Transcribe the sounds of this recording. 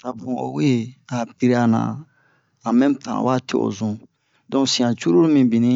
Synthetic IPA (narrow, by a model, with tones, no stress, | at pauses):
ta˨bũ˨o̰˨we˦˨a˨pi˦ɾa˦nã̰˨ | a˨mɛ̃˦tã̰˨wa˦tḛ˨o̰˨zũ˨ | dɔ̃˦sĩ˨ã˨t͡ʃu˦ɾo˦ɾmĩ˨bĩ˨nĩ˦